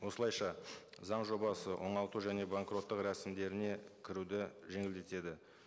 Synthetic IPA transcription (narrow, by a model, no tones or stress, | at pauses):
wo̞səlˠɑjʃɑzɑɴʒo̞bɑsəwʔo̞̰ɴɑlˠt̪uʒæne̞baŋkro̞t̪ːəqɾæsɪmd̪e̞ɾɪne̞kʲʰɪɾud̪ɪʒe̞ŋɪld̪e̞t̪e̞d̪ɪ